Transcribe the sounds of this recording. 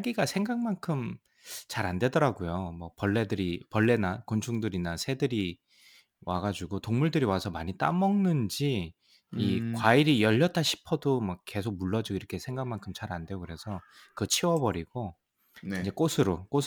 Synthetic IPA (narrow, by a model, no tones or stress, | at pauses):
aɡiɡasʰeŋɡaŋmankʰɯm | t͡ɕaɾande̞dʌɾaɡojomʌpʌɭːe̞dɯɾipʌɭːe̞nakont͡ɕʰuŋdɯɾinasʰe̞dɯɾi | waɡad͡ʑuɡotoŋmuɭdɯɾiwasʰʌmaɲit͈amʌŋnɯnd͡ʑiː | kwaiɾijʌʎːʌt͈aɕʰi̥pʰʌdomwʌke̞sʰok̚muɭːʌd͡ʑɯɡiɾʌkʰe̞sʰe̞ŋɡaŋmankʰɯmt͡ɕaɾandwe̞okɯɾe̞sʰʌkɯt͡ɕʰiwʌbʌɾiɡ̥o | ind͡ʑe̞k͈osʰɯɾok͈osʰ